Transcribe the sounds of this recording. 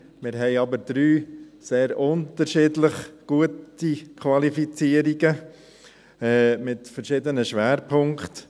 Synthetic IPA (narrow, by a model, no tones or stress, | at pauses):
mɪɾɦɛɪɑbəɾd̪̥ɾyːseːɾʊntəɾʃɪːdləχɡ̥uətikʰvɑlifit͡siːəɾiɡə | ɛːmɪtfəɾʃɪdənəʃʋæːɾpʰʊŋkt